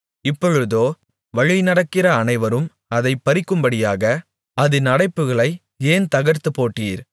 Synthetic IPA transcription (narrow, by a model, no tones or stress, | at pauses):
ɪpːɔɻɯðoː | ʋɐɻɪnɐɽɐkːɪrɐːnɐɪʋɐɾɯm | ɐðɐɪpːɐɾɪkːɯmbɐɽɪjaːɣɐ | ɐðɯnɐɽɐɪpːɯɣɐɭɐɪ | eːnt̪ɐɣɐɾt̪ɯpoːʈːiːɾ